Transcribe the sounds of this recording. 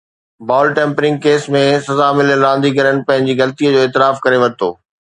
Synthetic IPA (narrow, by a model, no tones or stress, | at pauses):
baːlʈẽːmpɾɪ̃ŋɡkeːsmẽsɐzamɪləɾãːnd̪iɡɐɾənɪ̆pɐ̃ɦɪ̃ɲd͡ʑiɣɐlt̪iːəd͡ʑoːeːt̪ɪɾaːfkɐɾeʋɐɾt̪ʰo̰ː